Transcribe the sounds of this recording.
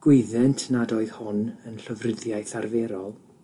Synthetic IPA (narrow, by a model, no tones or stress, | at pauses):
ɡ̥wɪðɛntʰnadoɨð̥hʊnənɬəvrɪðjaɨθarvɛɾɔlˠ